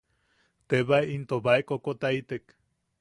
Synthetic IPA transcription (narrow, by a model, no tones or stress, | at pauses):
t̪eβaint̪oβaekokot̪ait̪ek